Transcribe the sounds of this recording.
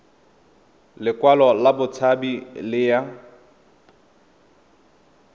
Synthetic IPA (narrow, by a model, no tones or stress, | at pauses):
lɪkwalɔlabʊt͡sʰabilɪja